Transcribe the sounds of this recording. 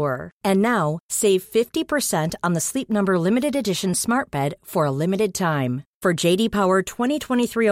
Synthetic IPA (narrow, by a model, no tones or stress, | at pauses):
ə˞ɨ̃nːaʊseɪv̥fɪftipʰə˞sɛ̃ntn̩ðəslip̚nʌ̃mbə˞lɪ̃mɨɾɨɾɨdɪʃɨ̃n̩smɑɹt̚b̥ɛd̥fə˞əlɪ̃mɨɾɨd̚tʰãɪ̃ɱfə˞d͡ʒeɪɾipʰaʊə˞tʰw̥ɛ̃ɾ̃itʰw̥ɛ̃ɾ̃iθɹi